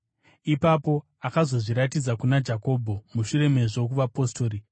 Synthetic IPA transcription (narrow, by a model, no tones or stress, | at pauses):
ipapo̞ | akazo̞ʐiɾatid͡zakunad͡ʒako̞bʱo̞muʂuɾe̞me̞ʐe̞k̬uʋapo̞sto̞ːɾi